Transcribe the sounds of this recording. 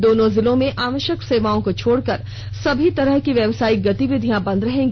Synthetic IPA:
d̪oːnõzɪlõmẽʔaːʋəʃəkseːʋaːõkot͡ʃʰoːɽkɐɾ | sɐbʱit̪ɐɾəɦkiʋjɐʋsaːiɡɐt̪iʋɪd̪ʱijãbɐ̃nd̪ɾɐɦẽːŋɡ

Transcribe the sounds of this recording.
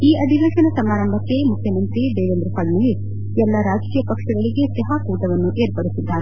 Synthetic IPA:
iːʔɐd̪ʱiʋeːʃɐnɐsɐmaːɾɐmbʱɐkːe̞mukʰjɐmɐnt̪id̪eːʋend̪ɾupɐɳnɐi | ɛlːɐɾaːd͡ʒkiːjɐpɐkʂɐɡɐɭiɡe̞sɛɦaːkuːʈɐʋɐnːuʔeːɾpɐɽisid̪ːaːɾe

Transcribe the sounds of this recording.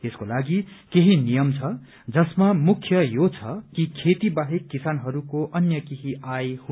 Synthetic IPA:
eskolaɡikeɦinijʌmt͡sʰʌ | d͡zʌsmamukʰjʌjot͡sʰʌkikʰet̪ibaɦekːisanɦʌɾukoʔʌnjʌkiɦiajhu

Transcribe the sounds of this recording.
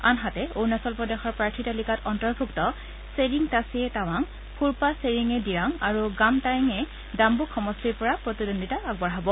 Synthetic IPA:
a̰nɦatɛoɹnasɔlpɹɔdexɔɹpɹaɹtʰitalikatɔntɔɹbʱuktɔ | seɹiŋtasiɛtawaŋ | pʰuɹpaseɹiŋɛdiɹaŋaɹuɡamtajiŋɛ | dambukʰːɔmɔstiɹpɔɹapɹotidondʱitaaɡ̚bɔɹɦabɔ

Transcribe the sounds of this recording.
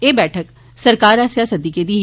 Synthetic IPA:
eːbɛːʈʰək | sɐɾkaːɾɐsjasɐd̪iked̪i

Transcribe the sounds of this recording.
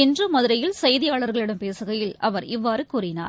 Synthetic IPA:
ɪndrɯmɐðɯɾɐjɪlsɐjðɪjaːɭɐɾɣɐɭɪɽɐmpeːsɯɣɐjɪlɐʋɐɾɪʋːaːɾɯkuːrɪna̰ːɾ

